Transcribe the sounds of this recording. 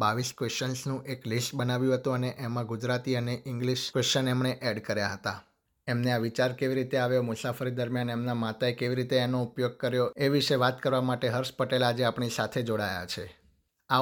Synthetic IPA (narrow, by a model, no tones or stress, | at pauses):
baʋiskʋest͡ʃənsnũʔeklisʈbənaʋjũɦət̪ũəneʔemãɡud͡ʒɾat̪iəneʔɪŋɡliʃkʋest͡ʃənɛmɳeʔɛɖkəɾjaɦət̪a | emneaʋit͡ʃaɾkeʋiɾit̪eaʋjomʊsafəɾid̪əɾmjanemnamat̪aekeʋiɾit̪eenoupjoɡ̚kəɾjoeʋiʃəʋat̪kəɾʋamaʈeɦəɾʃpəʈelad͡ʒeapɳisat̪ʰed͡ʒoɽaja̰t͡ʃʰe | a